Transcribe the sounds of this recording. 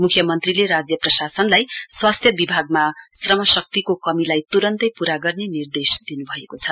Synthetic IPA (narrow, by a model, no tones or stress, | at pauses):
mukʰjʌmʌnt̪rileɾad͡zjʌprʌsasʌnlajswast̪ʰjʌbibʱaɡ̚masrʌmʌsʌk̚t̪ikokʌmilajt̪uɾʌnt̪ʌjpuɾaɡʌrnenird̪esd̪inubʱʌekot͡sʰʌ